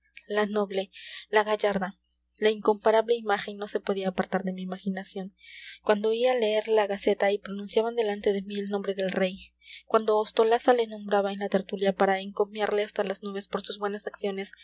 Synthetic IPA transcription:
lano̞βle̞laɣaʝaɾða | laiŋko̞mpaɾaβle̞imaxe̞nːo̞se̞po̞ð̞iaːpaɾt̪aɾðe̞miːmaxinasjo̞ŋkwand̪o̞iale̞eɾlaɣase̞t̪aipɾo̞nũnsjaβand̪e̞lant̪e̞ðe̞mielnõmbɾe̞ðe̞lre̞j | kwʔand̪o̞ːst̪o̞lasale̞nõ̞mbɾaβaenlat̪e̞ɾt̪uljapaɾaeŋko̞mjaɾle̞ast̪alaznuβe̞spo̞ɾsuzβwe̞nasaksjo̞ne̞s

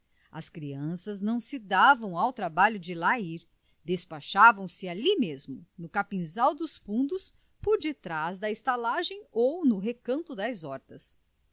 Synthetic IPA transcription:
ɐskɾiɐ̃sɐznɐ̃w̃sɪd̪avɐ̃w̃awt̪ɾabaʎʊd͡ʒɪlaiɾ | d̪espaʃavɐ̃w̃sɪalimezmʊnʊkapĩzawd̪ʊsfũnd̪ʊs | poɾd͡ʒɪt̪ɾazd̪ɐɪst̪alaʒẽj̃ownʊɦekɐ̃nt̪ʊd̪ɐzɔɾt̪ɐs

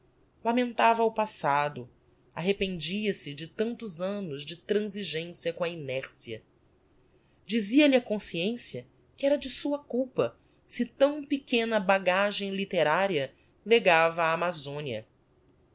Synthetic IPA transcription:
lamẽnt̪avɐwpasad̪ʊ | aɦepẽnd͡ʒiɐsɪd͡ʒɪt̪ɐ̃nt̪ʊzɐ̃nʊzd͡ʒɪt̪ɾɐ̃ziʒẽsijɐkõɐinɛɾsiɐ̰ | d͡ʒiziɐlɪɐkõsiẽsiɐ | kɪɛɾɐd͡ʒɪsuɐkuwpɐ | sɪt̪ɐ̃w̃pɪkẽnɐbaɡaʒẽj̃lit̪eɾaɾiɐ | leɡavɐaːmazõniɐ̰

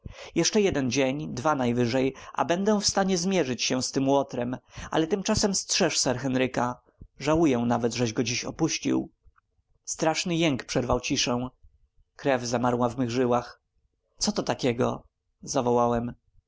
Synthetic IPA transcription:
jɛʂt͡ʂɛjɛd̪ɛnd͡ʑeɲd̪vanajvɘʐɛjʔa̰bɛnd̪ɛw̃fst̪aɲɛzmʲjɛʐɘt͡ɕɕɛw̃st̪ɘmwɔt̪ɾɛmʔa̰lɛt̪ɘmt͡ʂasɛmstʂɛʂsɛɾxɛnɾɘka | ʐawujɛw̃navɛd̪ʐɛʑɡɔd͡ʑiɕɔ̰puɕt͡ɕḭw | st̪ɾaʂnɘjɛŋkpʂɛɾvawt͡ɕiʂɛ̃w̃ | kɾɛvzamaɾwavmɘɣʐɘwax | t̪sɔt̪ɔt̪akʲɛɡɔ̰ | zavɔwawɛm

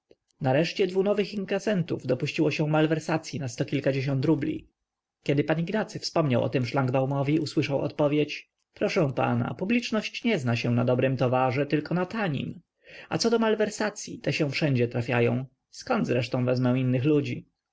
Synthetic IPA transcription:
naɾɛʂt͡ɕɛd̪vunɔvɘxiŋkasɛnt̪uvd̪ɔpuɕt͡ɕiwɔɕɛ̃malvɛɾsat̪sʲjinast̪ɔkʲilkad͡ʑeɕɔnt̪ɾublʲḭ | kʲɛd̪ɘpaɲiɡnat̪sɘfspɔmɲawʔɔ̰t̪ɛmʂlaŋɡbawmɔvʲiuswɘʂawɔ̰t̪̚pɔvʲjet͡ɕ | pɾɔʂɛ̃w̃pa̰na̰publʲit͡ʂnɔɕt͡ɕɲɛznaɕɛw̃nad̪ɔbɾɘmt̪ɔvaʐɛt̪ɘlkɔnat̪aɲḭm | at̪sɔd̪ɔmalvɛɾsat̪sʲjḭt̪ɛɕɛ̃w̃fʂɛɲd͡ʑɛt̪ɾafʲjajɔ̰̃w̃ | skɔnd̪zɾɛʂt̪ɔ̃w̃vɛzmɛw̃inːɘxlud͡ʑi

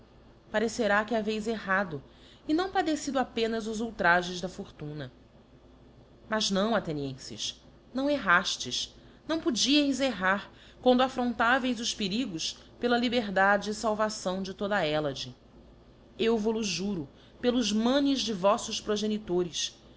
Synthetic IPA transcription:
paɾeseɾakɪavejzeɦad̪ʊ | ɪnɐ̃w̃pad̪esid̪ʊapẽnɐzʊzuwt̪ɾaʒẽzd̪ɐfoɾt̪ũnɐ | mɐznɐ̃w̃at̪eniẽsɪ̰ʃ | nɐ̃w̃eɦaʃt͡ʃɪʃ | nɐ̃w̃pud͡ʒiejzeɦaɾ | kwɐ̃nd̪ʊafɾõnt̪avejzʊʃpeɾiɡʊs | pelɐlibeɾd̪ad͡ʒɪːsawvasɐ̃w̃d͡ʒɪt̪od̪ɐaɛlɐd͡ʒɪ | ewvoluʒuɾʊ | pelʊzmɐ̃nɪzd͡ʒɪvɔsʊspɾoʒenit̪oɾɪs

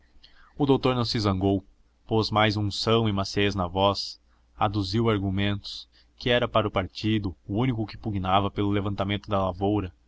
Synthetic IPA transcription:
ʊd̪owt̪oɾnɐ̃w̃sɪzɐ̃ŋɡow | pozmajzũsɐ̃w̃ɪmaseznɐvɔs | ad̪uziwaɾɡumẽnt̪ʊ̥s | kɪɛɾɐpaɾɐʊpaɾt͡ʃid̪ʊːũnikʊkɪ̥puɡinavɐpelʊlevɐ̃nt̪amẽnt̪ʊd̪ɐlavowɾɐ

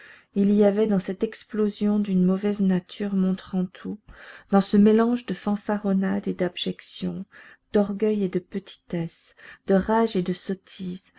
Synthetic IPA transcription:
iliavɛd̪ɑ̃sɛt̪ɛksplozjɔ̃d̪ynmɔvɛznat̪ʰyʁmɔ̃t̪χɑ̃t̪ʰud̪ɑ̃səmelɑ̃ʒd̪əfɑ̃faʁɔnad̪ed̪abʒɛksjɔ̰̃d̪̥ɔʁɡʲœjed̪əpət̪ʰi̥t̪ɛsd̪̥əʁaʒed̪əsɔt̪ʰiz

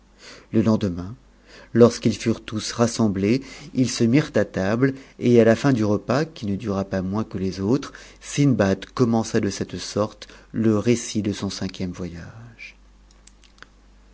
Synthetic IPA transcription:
ləlɑ̃d̪mɛ̃ | lɔʁskilfyʁt̪usʁasɑ̃bleilsəmiʁt̪at̪ablealafɛ̃d̪yʁəpakʲinəd̪yʁapamwɛ̃kəlezot̪χ | sinbad̪kɔmɑ̃sad̪əsɛt̪sɔʁt̪ləʁesid̪əsɔ̃sɛ̃kʲjɛmvwajaʒ̥

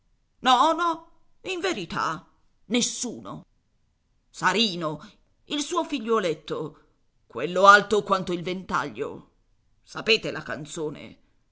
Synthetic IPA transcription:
nɔnɔ | iɱveɾit̪a̰ | nesːuːno̰ | saɾiːno | ilsuːofiʎːolet̪ːo | kwelːoalt̪okwant̪oilvent̪a̰ʎːo̰ | sapeːt̪elaka̰nt̪soːnḛ

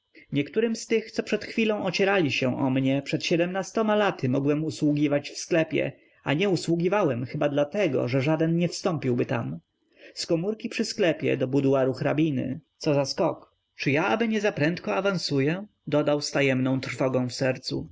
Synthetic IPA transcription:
ɲɛkt̪uɾɘmst̪ɘxt̪sɔpʂɛt̪xfʲilɔ̃w̃ɔt͡ɕɛɾalʲiɕɛʔɔ̰mɲɛpʂɛt̪ɕɛd̪ɛmnast̪ɔmalat̪ɘmɔɡwɛmuswuɡʲivat͡ɕfsklɛpʲjɛ̰ | a̰ɲɛuswuɡʲivawɛmxɘbad̪lat̪ɛɡɔ̰ʐɛʐad̪ɛnɲɛfst̪ɔmpʲiwbɘt̪a̰m | skɔmuɾkʲipʂɘsklɛpʲjɛ̰d̪ɔbud̪uwaɾuxɾabʲinɘ̰t̪sɔzaskɔk | t͡ʂɘjaabɘɲɛzapɾɛnt̪kɔavansujɛ | d̪ɔd̪awst̪ajɛmnɔ̃w̃t̪ɾfɔɡɔ̃w̃fsɛɾt̪sṵ

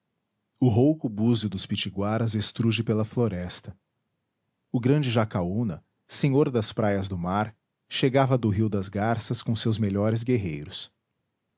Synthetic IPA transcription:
ʊɦowkʊbuzʊd̪ʊspit͡ʃiɡwaɾɐzest̪ɾuʒɪpelɐfloɾɛst̪ɐ | ʊɡɾɐ̃d͡ʒɪʒakaunɐ | sẽɲoɾd̪ɐspɾajɐzd̪ʊmaɾ | ʃeɡavɐd̪ʊɦiwd̪ɐzɡaɾsɐskõsewzmeʎɔɾɪzɡeɦejɾʊs

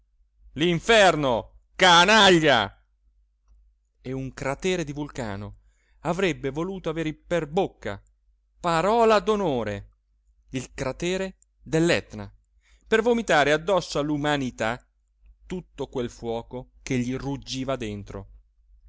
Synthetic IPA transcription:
liɱfɛrno | kanaʎːa̰ | euŋkɾat̪ɛːɾed̪ivulka̰ːno | avɾɛbːevoluːt̪oaveːɾperbokːa̰ | paɾɔːlad̪onoːɾe | ilkɾat̪ɛːɾe | d̪elːɛt̪na̰ | pervomit̪aːɾead̪ːɔsːoalːumanit̪a | t̪ut̪ːokwelfwɔːkok̟eʎːirud͡ʒːiːvad̪ent̪ɾo̰

